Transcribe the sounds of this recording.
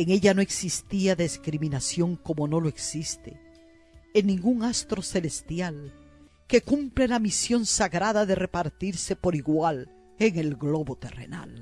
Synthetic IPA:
eŋe̞ʎano̞e̞ksist̪iaðeskɾimĩnasjo̞ŋko̞mo̞no̞loeksist̪e̞̰ː | nːĩŋɡuŋast̪ɾo̞se̞lest̪jal | ke̞kumple̞lamisjo̞nsaɣɾaðaðe̞re̞paɾt̪iɾse̞po̞ɾiɣwal | e̞ŋe̞lɡlo̞βo̞t̪e̞rḛna̰l

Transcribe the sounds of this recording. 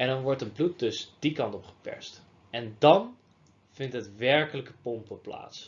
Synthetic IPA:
ɛndɑnʋɔɹtənblut̚dɵsd̥ikɑntɔpχə̥pɛ̰ɹst | ɛndɑn | v̥ɪntɦətʋɛɹkələkəpɔmpəpla̰ːts

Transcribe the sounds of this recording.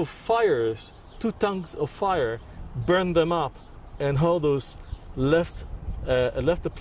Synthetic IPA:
ʌv̥faɪə˞z̥ | tʰutʰʌ̃ŋzʌv̥faɪə˞ | bɜ̃˞nðɨ̃mʌp | ɨ̃nɦodoʊz̥lɛft | lɛft̪̚ðəpʰ

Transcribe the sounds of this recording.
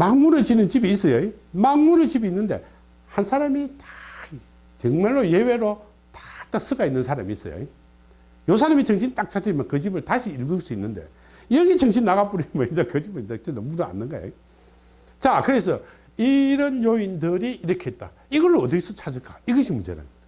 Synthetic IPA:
maŋmuɾɯɭt͡ɕinɯnt͡ɕibiːs͈ʌjoimaŋmuɾɯɭt͡ɕibiːnːɯnde̞̰ | hansʰaɾamitḁi | t͡ɕɯŋmaɭːojeweɾo | tḁtas͈ɯɡainːɯnsʰaɾa̰miːs͈ʌ̰jo̰i | jos̬ʰaɾamit͡ɕʰʌŋɕʰintak̚t͡ɕʰad͡ʑɯimankɯd͡ʑibɯɭtaɕʰiːɭɡɯks͈uinːɯnde̞̰ | iɾʌɡet͡ɕʰʌŋɕ̬ʰinːaɣap͈uɾimʌind͡ʑakɯd͡ʑibɯat͡ɕenːʌmuɾa̰nːɯnɡajo̰ | t͡ɕakɯɾes̬ʰʌ | iɾʌnjoindɯɾiʔiɾʌkʰet̚t͈a̰ | iɣʌɭːoːt̬ɯkes͈ʌt͡ɕʰad͡ʑɯɭk͈aiɡʌɕʰimund͡ʑḛna̰n

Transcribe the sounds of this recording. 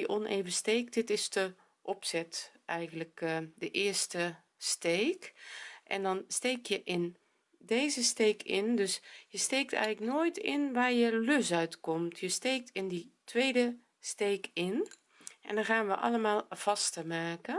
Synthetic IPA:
əʔɔneːvəsteːk̚dɪtɪstə | ʔɔpsɛtʔɛjɣənləkdəʔɪːɹstə | steːkʔɛ̰ndɔnsteːkjəʔɪn | deːzəsteːkʰɪndøsjəstejk̚tɛ̰jɣələknoːjtɪnʋaːɹjəløsœɥtkɔmtʰjəsteːk̚tʰɪnditʋeːdə | steːkɪn | ʔɛ̰ndɔxaːnʋəʔɑ̰ləmaːlˠv̥ɑstəmaːkə

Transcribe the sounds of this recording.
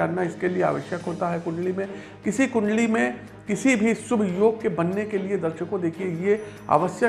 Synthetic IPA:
aːnnːaɪskeliea̰ːʋəʃjəkɦoːt̪aɦɛkʊ̃ɳɖlimẽ | kɪsikʊ̃ɳɖlimẽ | kɪsibʱisʊbʱjoːɡ̚kebɐnːekelied̪ɐɾʃəkod̪eːkʰiejea̰ːʋəsjə

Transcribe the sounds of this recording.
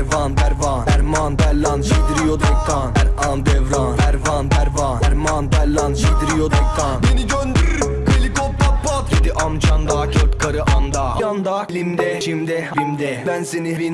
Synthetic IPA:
ɾvanbæɾvanæɾmanb̪ællanʃid̪iɾijod̪ɛk̚k̪ːanæɾand̪ɛvɾanæɾvanbæɾvanæɾmanbæɾlːanʃid̪iɾijod̪ɛkːanbeniɟønd̪yɾ | kʰɯlʲikop̚t̪apːat̪ed̪iʔamt͡ʃand̪akʰøɾt̪kʰaɾɯʔand̪aand̪alimd̪ɛʃimd̪ɛimd̪ɛbænsenivin

